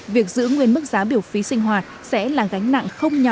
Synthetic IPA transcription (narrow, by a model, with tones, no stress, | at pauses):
vi˨˩ək̚zɨ̰˧˥ŋwi˨˩ənmɨ˦˥k̚zaː˨˦ɓi˧˩əwfi˨˦sï˧ŋ̟ɦwaː˨˩t̚sɛ̰˧˥laː˨˩ɣa˨˦jŋ̟na̰˧˨ŋxə˧wŋ͡mɲɔ˨˩